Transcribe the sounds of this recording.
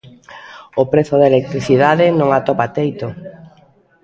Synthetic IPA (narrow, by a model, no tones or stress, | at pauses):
opɾeθʊðelek̚t̪ɾiθiðaðɪnõŋat̪ɔpat̪ejt̪o